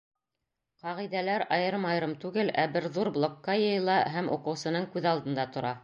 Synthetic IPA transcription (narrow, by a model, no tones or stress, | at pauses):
qɑʁijðælæɾɑjɤɾmɑjɾɤmt̪ʉɡɘlæbɘɾðuɾblˠokːɑjɤ̆jlˠɑɦæmʔṵqɤ̆wsɤ̆nɤɴkʉðɑlˠd̪ɤ̆nd̪ɑt̪ŏɾɑ